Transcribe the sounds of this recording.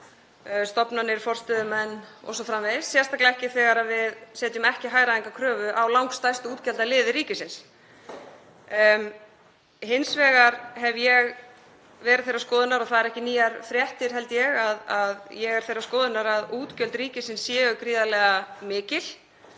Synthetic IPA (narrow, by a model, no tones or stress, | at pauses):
st̪ɔpnanːɪɾ̥fɔr̥st̪ɛðʏmɛnːɔ̰wsɔfɾamvɛðɪssːjɛst̪aklaɛhcɪθɛːɣaɾavɪðsɛːt̪ʏmɛhcɪɦaːjɾaðiŋkakʰɾœːvʏʔawlawŋkst̪ajst̪ʏuːt̪cɛlt̪alɪːðɪɾiːcɪsɪns | hɪnsvɛːɣaɾɦɛvjɛɣ | vɛːɾɪðθejraskɔːðɪnaɾɔɣθaðɛɾɛhcɪniːjaɾfɾjɛht̪ɪɾ̥ɦɛlt̪jɛɣaðaðjɛɣɛɾ̥θejraskɔːðɪnaɾaðuːt̪cœlt̪ɾiːcɪsɪnsːjɛːɣʏkɾiːðalɛɣamɪːcɪl̥